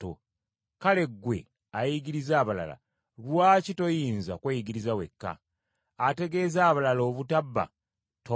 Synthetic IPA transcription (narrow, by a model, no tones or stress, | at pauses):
o̰ | kale̞ɡːwe̞̰ | ajiɡiɾizaːβala̰la̰ | lwaːcito̞jiːnzakwejiɡiɾizawe̞̰kːa̰ː | te̞ɡe̞zaːβalalo̞ːβutabːa̰ | to